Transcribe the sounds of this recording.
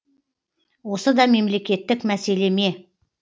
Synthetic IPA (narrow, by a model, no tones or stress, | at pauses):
wo̞səd̪ɑme̞mle̞kʲe̞t̪ːɪkmæse̞le̞me̞